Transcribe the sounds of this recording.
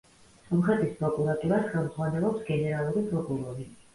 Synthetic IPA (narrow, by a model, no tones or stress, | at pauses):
sɔmχɾɛt̪ʼispʼɾɔkʼuɾat̪ʼuɾasχɛlˠmʁwanɛlˠɔpsɡɛnɛɾalˠuɾipʼɾɔkʼuɾɔɾi